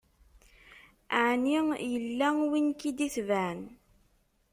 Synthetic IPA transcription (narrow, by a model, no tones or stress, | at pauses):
aʕnijəlːæwinkid̪iθvæn